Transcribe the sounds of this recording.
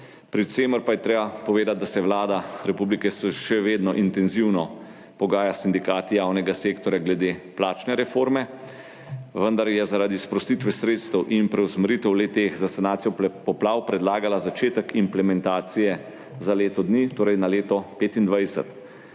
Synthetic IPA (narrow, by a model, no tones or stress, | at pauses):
pɾiseːməɾpajɛt̪ɾeːbapɔʋeːd̪at̪̚d̪asɛwlaːd̪aɾɛpublikɛsɛʃɛʋeːd̪nɔʔint̪ɛnziwnɔ | pɔɡaːjasind̪ikaːt̪ijaːwnɛɡaseːkt̪ɔɾjaɡlɛd̪eplaːt͡ʃnɛɾɛfoːɾmɛ | ʋənd̪aɾjɛzaɾaːd̪ispɾɔst̪it̪ʋɛsɾeːt̪st̪əwʔinpɾɛwsməɾiːt̪ɛwlɛt̪exzasanaːt̪sijɔpɔplaːwpɾɛd̪laːɡalazat͡ʃeːt̪əkimplɛmɛnt̪aːt̪sijɛ | zaleːt̪ɔd̪nit̪oːɾɛjnaleːt̪ɔpeːt̪ind̪ʋajsɛ̰t̪